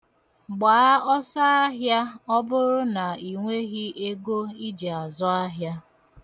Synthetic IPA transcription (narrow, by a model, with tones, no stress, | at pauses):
ɡ͡baː˨˦a˦ɔ˦sa˦a˦ɦja˦ɔ˦bʊ˦ɾʊ˦na˨i˨ŋʷe˦ɣi˦ʔe˦ɡo˦i˦d͡ʒe˨a˨zɔ˦a˦ɦja˦